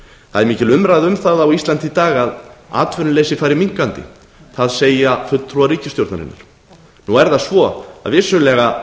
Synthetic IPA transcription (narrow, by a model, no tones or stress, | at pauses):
θaðɛɾmiːcɪlʏmɾajðʏmθaðawist̪lant̪it̪aːɣaða̰ːt̪vʏnʏleːjsɪfaːjɾɪmiŋ̥kant̪ɪ̰ | θaðseːjafʏt̪ʰːɾuaɾiːcɪst̪jowɾt̪na̰ɾɪ̰nːa̰ɾ̥ | nuɛɾθaðsvɔa̰ðvɪsʏlɛːɣa